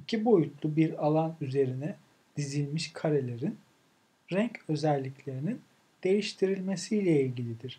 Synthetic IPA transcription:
icʰibo̞jut̪lˠubiɾalˠanyze̞ɾinɛ | d̪̥izilʲmiʃkʰaɾe̞lʲe̞ɾin | ɾɛɲcø̞zælʲːiclʲe̞ɾinin | d̪̥e̞jiʃt̪ʰiɾilʲme̞sijlʲɛilʲɟilʲid̪iɾ̥

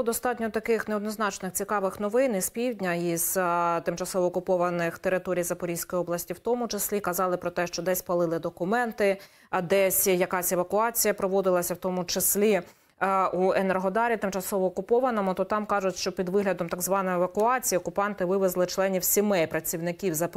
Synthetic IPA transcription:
bˠɔd̪ɔst̪ɑtʲnʲɔt̪ɐkɪxneɔd̪nɔznɑt͡ʃnɪxt͡sʲikɑʋɪxnɔʋɪnispʲiwdʲnʲɐiz̥t̪ɪmt͡ʃɐsɔʋɔːkʊpɔʋɐnɪxt̪eɾɪt̪ɔɾʲijzɐpɔɾʲijsʲkɔjiɔblˠɐsʲtʲiwt̪ɔmʊt͡ʃesʲlʲikɐzɑlˠɪpɾɔt̪ɛʃt͡ʃɔd̪ɛsʲpɐlˠɪlˠɪd̪ɔkʊmɛnt̪ɪ | d̪ɛsʲjɐkɑsʲɛʋɐkʊɑt͡sʲijɐpɾɔʋɔd̪ɪlˠɐsʲɐwt̪ɔmʊt͡ʃɪsʲlʲi | uenerɦɔd̪ɑɾʲit̪ɪmt͡ʃɐsɔʋɔːkʊpɔʋɐnɔmʊt̪ɔt̪ɑmkɑʒʊtʲʃt͡ʃɔpʲid̪ʋɪɦlʲɐd̪ɔmt̪ɐɡzʋɑnɔjeʋɐkʊɑt͡sʲijiɔkʊpɑnt̪ɪʋɪʋezlˠɪt͡ʃlˠɛnʲiwsʲimɛjpɾɐt͡sʲiwnɪkʲiwzɐp

